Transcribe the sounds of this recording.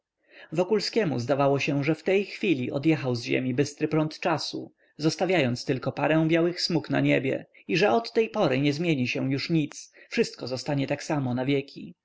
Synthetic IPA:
vɔkulskʲɛmṵzd̪avawɔɕɛʐɛft̪ɛjxfʲilʲiʔɔ̰d̪jɛxawzʑḛmʲibɘst̪ɾɘpɾɔnt̪t͡ʂasṵ | zɔst̪avʲjajɔnt̪st̪ɘlkɔpaɾɛ̃w̃bʲjawɘxsmukna̰ɲebʲjɛ̰ | iʐɛɔt̪ːɛjpɔɾɘɲɛzmʲjeɲiɕɛ̃juʂɲit̪sfʂɘst̪̚kɔzɔst̪aɲɛt̪aksamɔnavʲjɛkʲi

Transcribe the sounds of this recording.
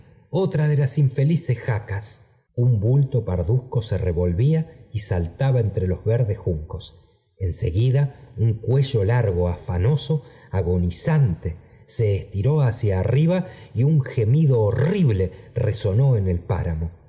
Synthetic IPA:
ot̪ɾaðelasiɱfe̞lisesxakas | umbult̪o̞paɾðusko̞sereβo̞lβiaisalt̪aβaent̪ɾelo̞zβeɾðesxuŋko̞s | e̞nse̞̰ɣiðauŋkwe̞ʒo̞laɾɣo̞afano̞so̞ | aɣo̞nisant̪e | se̞ːst̪iɾo̞asjaːriβaiuŋxe̞miðo̞ːriβle̞reso̞no̞enelpa̰ɾamo̞

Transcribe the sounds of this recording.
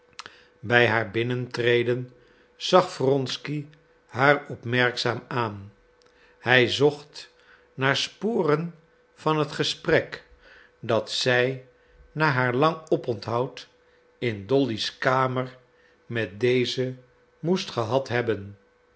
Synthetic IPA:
bɛjɦaːɹbɪnəntrejdən | z̥ɑχfrɔnski | ɦaːɹɔpmɛɹksaːmaːn | hɛjzɔχt | naːɹspʊːrən | v̥ɑnɦətχəsprɛk | dɑtsɛj | naːɦaːɹlɑŋɔpɔntɦɑwt | ɪndɔliskaːməɹ | mɛt̚dejzə | mustχəɦɑtɦɛbən

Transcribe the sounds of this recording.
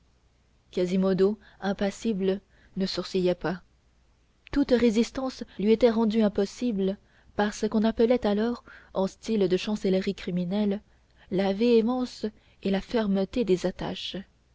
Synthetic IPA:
kazimod̪o | ɛ̃pasiblə | nəsuʁsijɛpa | t̪ut̪ʁezist̪ɑ̃slɥiet̪ɛʁɑ̃d̪yɛ̃pɔsiblə | paʁsəkɔ̃napəlɛt̪alɔʁɑ̃st̪ild̪əʃɑ̃sɛlʁikχiminɛlː | aveemɑ̃s | elafɛʁmət̪ed̪ezat̪a̰ʃ

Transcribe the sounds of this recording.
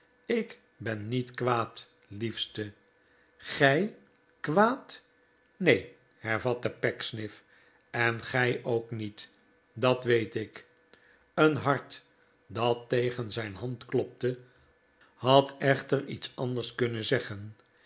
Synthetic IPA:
ɪk | bɛnːitkʋaːt | lifstə | χɛj | kʋaːt | nej | hɛɹvɑtəpɛksnɪf | ɛnχɛjʔowknit | dɑtʋejtɪk | ənɦɑɹt | dɑtːejχənzɛjnɦɑntklɔp̚tə | ɦɑtɛχtəɹḭtsɑnd̪əɹskɵnənzɛχən

